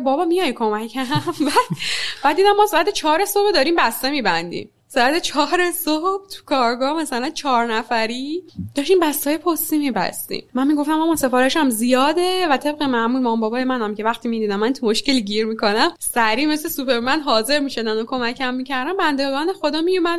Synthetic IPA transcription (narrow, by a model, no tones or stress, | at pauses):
bɒːbɒːmijɒjkʰo̞mæcʰæmbæd̪̥b̥æd̪̚iːd̪æmːɒːseæt̪ʰet͡ʃʰɒːɾe̞sobed̪ɒːɾiːmbæst̪e̞miːbænd̪ḭm | seæt̪ʰet͡ʃʰɒːɾesob̥̚t̪ʰu̥kʰɒːɾɡɒːmæsælænt͡ʃʰɒːɾnæfæɾid̪̥ɒːʃiːmbæst̪ɒːjepʰosimibæ̰st̪ḭmmænmiɡo̞ft̪æmæmɒːse̞fɒːɾeʃæmzijɒːd̪evæt̪ʰe̞bɣemæmulmɒːmbɒːbɒːjemænæmcʰe̞væχt̪ʰiːmiːd̪iːd̪æmːænt̪ʰumoʃce̞liɟiːɾmikʰo̞næmsæɾiːmeslesupʰe̞ɾmænd̪ɦɒːze̞ɾmiʃo̞d̪ænokʰo̞mæcʰæmːicæɾd̪ænbænd̪eɡɒːnexo̞d̪ɒːmijomæd̪